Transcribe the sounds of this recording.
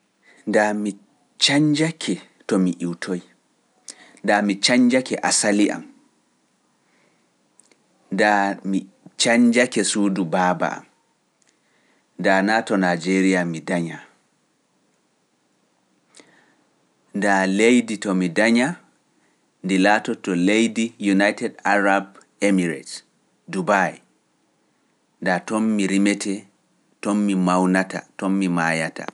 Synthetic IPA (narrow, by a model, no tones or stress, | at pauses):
ndami | t͡ʃaɲd͡ʒakʰɛ | tɔmiʔiwtʰoj | ndamit͡ʃaɲd͡ʒakɛʔa̰saliʔa̰m | ndami | t͡ʃaɲd͡ʒakɛsuːdubaːba̰a̰m | danaːtɔnad͡ʒeɾijamidaɲa | ndalejditɔmidaɲa | ndilaːtɔtɔlejdijunajtɛdaɾab | emiɾɛ̰t | dubaj | ndatɔnmiɾimɛtʰɛ | tɔmːimawnata̰tɔmːimaːjata̰